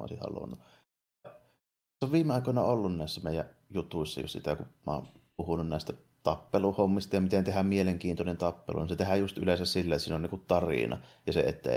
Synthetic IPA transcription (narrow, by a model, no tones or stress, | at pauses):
ʔo̰ˑsihɑ̰lṵnːu | ɑ | oʋʋiːmeɑˑikoˑnɑolːunnæˑisːæmeˑijæʔjut̪uisːɑ̰jo̰ssḭt̪ækumɑ̰ˑompuhununnæˑest̪æ | t̪ɑpːeluhomːist̪ɑjɑmit̪ent̪ehæmmieleŋkiːnt̪onent̪ɑpːḛlṵninset̪ehæjust̪ʔy̰lesæssilːæˑsiːnoniːŋkut̪t̪ɑrḭnɑ̰jɑsḛḛt̪ːæ̰